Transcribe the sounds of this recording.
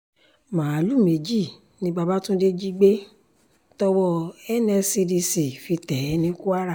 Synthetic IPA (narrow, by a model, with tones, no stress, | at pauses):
mãː˨a˨˦lu˦˨me˨d͡ʒi˦˨ | nĩ˧ɡ͡ba˧ba˦tũ˦de˦d͡ʒi˦ɡ͡be˦ | tɔ˦wɔ˧ɛ˦nɛ˧si˧di˧si˨fi˧tɛ˨˦nĩ˦ku˦a˦ɾa˦˨